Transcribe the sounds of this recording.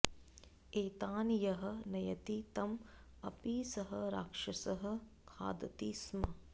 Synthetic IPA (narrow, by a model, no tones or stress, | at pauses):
eːt̪aːnjɐɦɐ̆nɐjɐt̪it̪ɐm | ɐpiːsɐɦɐɾaːkʂɐsɐɦɐ̆ | kʰa̰ːd̪ɐt̪iːsmɐ